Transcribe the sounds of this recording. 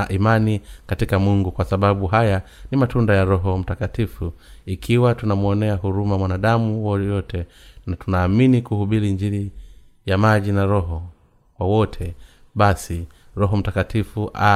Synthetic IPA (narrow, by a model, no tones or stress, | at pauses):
ʔimanikatikamuŋɡukwasaɓaɓuɦajanimatundajaɾɔɦɔm̩takatifuikʰiwatunamuɔnɛaɦuɾumamwanaɗamuwɔjɔtʰɛnatunaːminikuhuɓiɾind͡ʒiɾi | jamaʄinaɾɔɦɔ | kwawɔtʰɛ | ɓasi | ɾɔɦɔm̩takatifuʔa